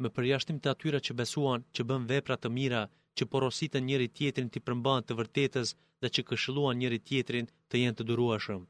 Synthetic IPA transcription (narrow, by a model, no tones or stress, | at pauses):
mɛpəɾjaʃt̪imt̪əat̪yɾat͡ɕəbɛsuant͡ɕəbənvɛpɾat̪əmiɾa | t͡ɕəpɔɾɔsit̪ɛnɲəɾit̪jɛt̪ɾint̪ipəɾmbant̪əvəɾt̪ɛt̪əs | ðɛt͡ɕəkəʃilˠuanɲəɾit̪jɛt̪ɾin | t̪əjɛnt̪əd̪uɾuɛʃəm